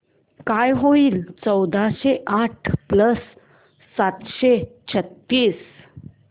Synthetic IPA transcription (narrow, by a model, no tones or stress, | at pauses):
kajɦoiːlt͡səwd̪ʱaɕeʔaʈʰpləsː | at̪ɕet͡ɕʰət̪ːiːs